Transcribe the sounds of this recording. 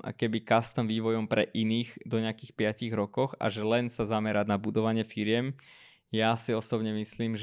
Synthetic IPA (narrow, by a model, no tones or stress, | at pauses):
a̰kɛbikast̪amʋiːʋɔjɔmpɾɛʔiniːɣd̪ɔɲɪakiːxpɪaciɣɾɔkɔxa̰ʒɛlɛnsazamɛɾad̪nabud̪ɔʋaɲɪɛfiɾɪɛm | jasiɔsɔbɲɛmisliːmʒ